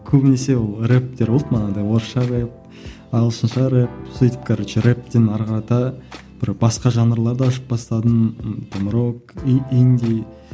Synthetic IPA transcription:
kʲʰɵbɪne̞se̞wolˠrep̚t̪e̞ɾolˠət̪mənɑnd̪ɑjwoɾʃɑɾep̚ | ɑlˠsənʃɑɾep̚sit̪əp̚kʰʲɑɾeʃeɾep̚t̪enɑɾqɑɾɑt̪ɑ | b̥ɪɾbɑsqɑʒɑnəɾlˠɑɾd̪ɑʃə̥p̚bɑst̪ɑd̪ənt̪ʰomɾok̚ind̪ʲi

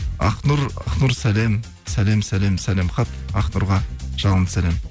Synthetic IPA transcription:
ɑ̰qnʊɾɑ̰qnʊɾsælem | sælemsælemsælemχɑt̪ɑqnʊɾʁɑʒ̥ɑlˠʁənd̪ə̥sælem

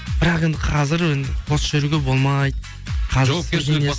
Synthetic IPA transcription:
b̥ɪɾɑqe̞nd̪ɪqʰɑzɪɾwend̪ɪqʰosʒɪɾuɡʲe̞bo̞lˠmɑjd̪ | qʰɑzɪsd̪enes

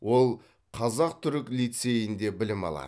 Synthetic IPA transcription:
wo̞lˠ | qʰɑzɑq̚t̪ʰʏɾɪklijt̪se̞jɪnd̪e̞bɪlɪmɑ̰lˠɑ̰d̪

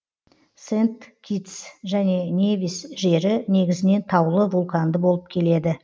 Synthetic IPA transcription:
se̞nt̪kʲʰit̪sʒæne̞nʲe̞vʲisʒe̞ɾɪne̞ɡʲɪzɪne̞nt̪ʰɑwlˠəvulˠkand̪əbo̞lˠəp̚kʲʰe̞le̞d̪ɪ

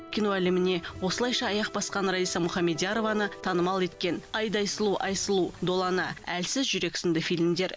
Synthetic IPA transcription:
kʲʰino̞ælemɪne̞wo̞səlˠɑjʃɑːjɑq̚bɑsqɑnɾɑijsɑmʊχɑmed̪ijaɾo̞vɑnət̪ʰɑnəmɑlˠe̞t̪kʲe̞nɑjd̪ɑjsəlˠuʔɑjsəlˠud̪o̞lˠɑnəælsɪzʒʏɾe̞ksɪnd̪ɪfijlɪmd̪e̞ɾ

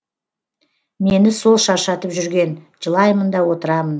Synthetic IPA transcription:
me̞nɪso̞lˠʃɑɾʃɑt̪əpʒʏɾɡʲe̞n | ʒəlˠɑjmənd̪ɑwo̞t̪əɾɑmən

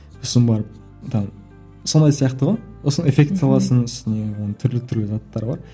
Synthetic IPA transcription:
ʊsəmbɑɾəp̚ | t̪ʰɑ | sond̪ɑjsijɑqt̪əʁojwosənəefʲe̞kt̪sɑlˠɑsənʏst̪ɪne̞wo̞nət̪ʰʏɾlɪt̪ʰʏɾlɪzɑt̪ːɑɾəbɑ̰ɾ

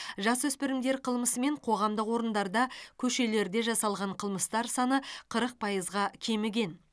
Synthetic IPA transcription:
ʒɑswɵspɪɾɪmd̪e̞ɾqʰəlˠməsəme̞ɴqʰo̞ʁɑmd̪əqwo̞ɾənd̪ɑɾd̪ɑkʲʰɵʃe̞le̞ɾd̪e̞ʒɑsɑlˠʁɑɴqʰəlˠməst̪ɑɾsɑnəqʰəɾəq̚pʰɑjəzʁɑkʲʰe̞mɪɡʲe̞n

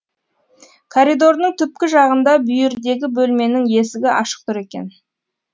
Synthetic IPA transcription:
kʰoɾid̪o̞ɾnəɴt̪ʰʏp̚kʲɪʒɑʁənd̪ɑbʏjɪɾd̪e̞ɡʲɪbɵlme̞nɪŋje̞sɪɡʲɪʔɑ̰ʃə̥q̚t̪ʊɾe̞kʲe̞̰n

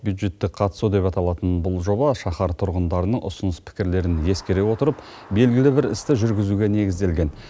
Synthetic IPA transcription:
bʲjud̪ʒe̞t̪ːɪk̚qʰɑt̪ə̥sud̪e̞pɑt̪ɑlˠɑt̪ənbʊlˠʒo̞bɑʃɑχɑɾt̪ʰʊɾʁənd̪ɑɾənəɴʔʊ̰sʊnəspʰɪ̥kʲɪɾle̞ɾɪnje̞skʲe̞ɾe̞wo̞t̪əɾəp | be̞lɡʲɪlɪbɪɾɪ̰st̪ɪʒʏɾɡʲɪzuɡʲe̞ne̞ɡʲɪzd̪e̞lɡʲe̞n

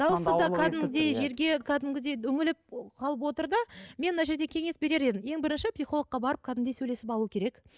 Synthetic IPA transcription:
d̪̥ɑwəsəd̪ɑkʰæd̪ɪmʲɪd̪ejʒe̞ɾɡʲe̞kʲʰæd̪ɪmɡʲɪd̪ejʏŋɪlɪp̚qʰɑlˠəp̬wo̞t̪əɾd̪ɑme̞nmənɑʒe̞ɾd̪e̞kʲʰe̞ŋe̞sbe̞ɾe̞ɾe̞d̪ɪmje̞ŋbɪɾɪnʃɪpsijχo̞lˠəq̚qːɑbɑɾəp̚kʰɑd̪ɪmd̪esɵjle̞sɪpɑlˠuwəkʲʰe̞ɾe̞k

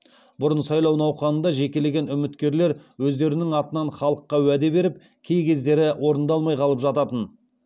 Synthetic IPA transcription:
bʊɾənsɑjlˠɑwnɑwqɑnənd̪ɑʒe̞kʲe̞le̞ɡʲe̞nʏmɪt̪kʲe̞ɾle̞ɾwɵzd̪e̞ɾɪnɪŋɑt̪ənɑnχɑlˠəqːɑwæd̪e̞be̞ɾɪp̚ | kʲʰe̞jkʲʰe̞zd̪e̞ɾɪwʔo̞ɾənd̪ɑlˠmɑjqʰɑlˠəpʒɑt̪ɑt̪ən

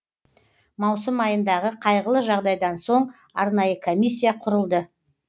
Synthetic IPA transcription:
mɑwsəmɑjənd̪ɑʁəqʰɑjʁəlˠəʒɑʁd̪ɑjd̪ɑnso̞ɴ | ɑ̰ɾnɑjəkʰo̞mʲisʲːijaqʰʊɾəlˠd̪ə

